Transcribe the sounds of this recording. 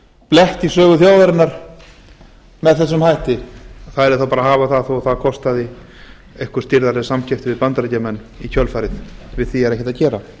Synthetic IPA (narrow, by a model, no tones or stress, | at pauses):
plɛht̪isœːɣʏθjaːwðaɾɪnːaɾ̥ | mɛðθɛs̬ːʏmhajht̪ɪθaðɛɾɪθawpaːɾaɦaːvaθaðθowθaðkʰɔst̪aðɪ | ejhkʏɾ̥st̪ɪɾðaɾɪsamcʰɛft̪ɪvɪðpant̪ɾacamɛnː | icʰœlfaɾɪðvɪðθiɛɾɛhcɪt̪aðcɛːɾa